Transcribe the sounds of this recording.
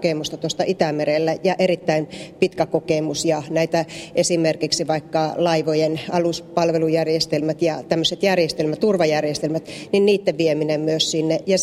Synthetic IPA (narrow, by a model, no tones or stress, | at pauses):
keˑmust̪ɑt̪uost̪ɑʔit̪æmerelːæjɑʔerit̪ːæinpit̪kækokeˑmusjɑnæit̪æʔesimerkiksiʋɑikːɑlɑiʋojenɑluspɑlʋelujærjest̪elmæt̪jɑt̪æmːøset̪jærjest̪elmæt̪t̪urʋɑjærjest̪elmæt̪ninniːt̪ːeʋʋieminemmyøssinːejɑ